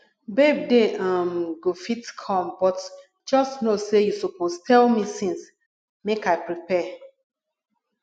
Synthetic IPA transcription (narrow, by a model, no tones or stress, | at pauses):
beb̚deʔãmɡofitkʰɔ̃mbɔt | d͡ʒɔstnosejusopostʰɛlmisĩns | mekaɪpɹipɛ